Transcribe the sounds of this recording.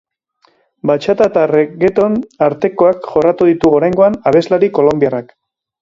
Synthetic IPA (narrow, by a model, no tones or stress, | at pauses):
bat͡ʃat̪at̪areɣe̞t̪o̞naɾt̪e̞ko̞akʝo̞rat̪uðit̪uɣoɾajŋɡo̞anaβ̞e̞zlaɾiko̞lo̞mbiarak